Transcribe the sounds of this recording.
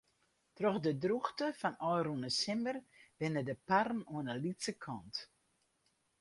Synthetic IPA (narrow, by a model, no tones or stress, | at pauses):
trɔxdədruxtəfɔnɔjrunəsɪmbərb̥ɪnədəparn̩uənəlitsəkʰɔnt